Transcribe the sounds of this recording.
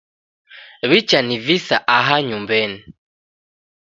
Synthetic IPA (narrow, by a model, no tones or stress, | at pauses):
βit͡ʃanivisaʔaɦaɲumbɛni